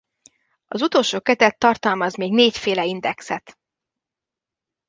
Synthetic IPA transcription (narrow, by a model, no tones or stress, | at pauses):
ɒzut̪olʃoːkɛt̪ɛt̪ːɒrt̪ɒlmɒzmeːɡneːcfeːlɛind̪ɛksɛt̪